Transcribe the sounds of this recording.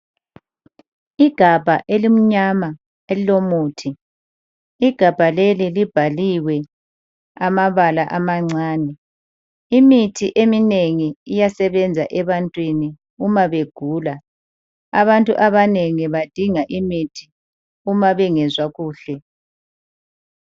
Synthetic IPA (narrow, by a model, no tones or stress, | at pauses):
iɡ̥ʱab̥ʱaʔelim̩ɲama | elilomuːtʰi | iɡ̥ʱab̥ʱalelilib̥ʱaliwɛ | amaβalaʔamaŋ͡ǀaːnɛ | imitʰiʔemineŋiijasɛβɛnd͡zʱaʔɛβantʼwini | umaβeɡ̥ʱuːla | aβantʼṵʔaβaneŋiβad̥ʱiŋaʔimitʰi | umaβɛŋɛzwaɣuːɬɛ